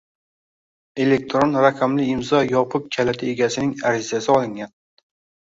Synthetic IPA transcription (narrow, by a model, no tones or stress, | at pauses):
e̞lek̚t̪ʰɾonɾaqʰɑmlɪɪmzɒjɒpʰʊq̚kʲʰalat̪ʰɪe̞ɡʲasɪnɪŋaɾɪzasɪɒlˠɪŋɡʲan